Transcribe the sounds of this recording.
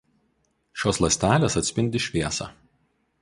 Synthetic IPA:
ʃʲoːslˠɐsʲt̪ʲæːlʲeːsɐt̪ʲsʲpʲɪnʲd̪ʲɪʃʲʋʲiɛsɑ̰ː

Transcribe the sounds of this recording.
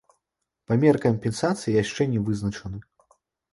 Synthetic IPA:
pamʲɛrkɐmʲpʲɛnsat̪sɨjijaʂt͡ʂɛnʲɛvɨznɐt͡ʂɐnɨ

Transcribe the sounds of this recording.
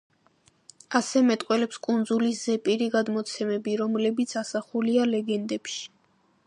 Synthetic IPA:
asɛmɛt̪ʼqʼwɛlɛpskʼund̪zuliszɛpʼiɾiɡad̪mɔt̪sʰɛmɛbiɾɔmlɛbit̪sʰasaχulialɛɡɛnd̪ɛpʃi̥

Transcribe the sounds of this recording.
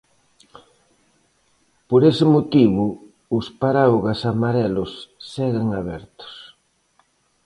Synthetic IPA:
poɾesɪmot̪iβʊ | ʊspaɾaoɣasamaɾɛlʊsːɛɣeŋaβɛ̰ɾt̪ʊ̥s

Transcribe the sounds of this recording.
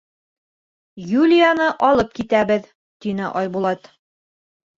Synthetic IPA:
julʲɪjanɤʔɒlˠɤp̚kit̪æbɘð | t̪inɘʔɒjbulˠɑt̪

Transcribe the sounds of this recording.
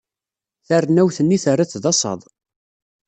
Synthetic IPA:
θərːnːæwθənːiθərːaθðɑsˤɑ̰ðˤ

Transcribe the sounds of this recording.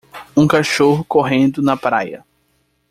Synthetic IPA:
ũkaʃoɦʊkoɦẽnd̪ʊnɐpɾajɐ̰

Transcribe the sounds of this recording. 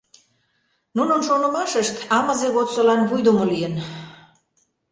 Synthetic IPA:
nunənʃonə̆mɑʃəʃt̪ɑməzeɣot̪solɑnβujd̪umolijən

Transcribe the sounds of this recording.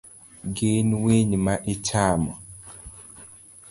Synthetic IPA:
ɡenweɲmaʔɪt͡ʃamɔ

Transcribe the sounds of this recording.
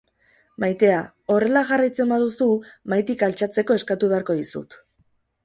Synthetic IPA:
majt̪e̞a | o̞re̞laɣarajt͡se̞mbaðusumajt̪ikalt͡ʃat͡se̞ko̞e̞skat̪uβe̞aɾko̞ðisṵt̪

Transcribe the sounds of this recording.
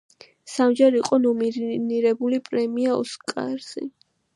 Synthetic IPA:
samd͡ʒɛɾiqʼɔnɔmiɾniɾɛbulipʼɾɛmiaɔ̰skʼa̰ɾzḭ

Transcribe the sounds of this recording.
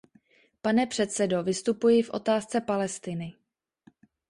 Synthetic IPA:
panɛpr̝̥ɛt̪sɛdo̞vɪst̪upujɪfʔo̞̰t̪aːst͡sɛpalɛst̪ɪnɪ

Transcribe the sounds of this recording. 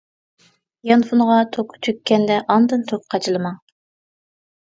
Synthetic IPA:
jɑnfunʁɑt̪ʰokt͡ʃ̪ʰykʲːɛnd̪ɛʔɑnd̪ɨnt̪ʰok̚qʰɑt͡ʃʰilˠɨmɑ

